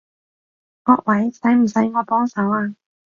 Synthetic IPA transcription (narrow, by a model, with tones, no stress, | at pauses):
ŋɔː˧k̚wʔɐ˨˥jsɐ˨˥jm̩˨˩sɐ˨˥jŋɔː˨˧pɔː˥ŋsɐ˨˥waː˧